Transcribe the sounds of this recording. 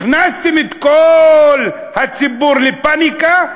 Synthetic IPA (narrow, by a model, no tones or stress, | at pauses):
nast̪imit̪kol | hat͡sibuɾlipanika